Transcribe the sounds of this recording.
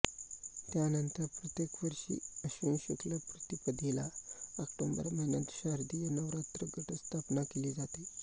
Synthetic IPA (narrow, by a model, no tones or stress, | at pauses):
t̪janənt̪əɾpɾət̪jekʋəɾɕḭːəɕuːnɕukləpɾət̪ipəd̪ʱilaakʈombə̰ɾməɦinat̪ɕaɾd̪ijənəʋɾat̪ɾəɡəʈəst̪ʰapnakeliːd͡zat̪e